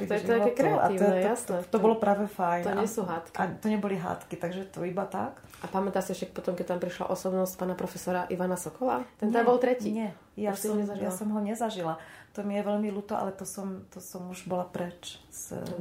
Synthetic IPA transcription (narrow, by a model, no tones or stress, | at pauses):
t̪ɛɛɔakkɛkɾɛataiːɛjasnɛt̪ɔbɔlɔpɾaːʋɛfajnɔɲɛsuɦaːt̪kiat̪ɔɲɛbɔliɦa̰ːt̪kit̪aɡʒɛt̪ɔibat̪a̰k | ʔapamɛt̪asiɛfʃɛk̚pɔt̪ɔmkɛc̚t̪ampɾiʃla̰ʔɔsɔbnɔscpaːnapɾɔfɛsɔɾaʔiʋanasɔkɔlaːt̪ɛnt̪abɔlˠt̪ɾɛciːɲɛ | jasɔɛzajasɔmɦɔɲɛzaʒilat̪ɔmijɛʋɛʎmiluːt̪ɔʔa̰lɛt̪ɔsɔmt̪ɔsɔmuʒbɔlapɾɛt͡ʃs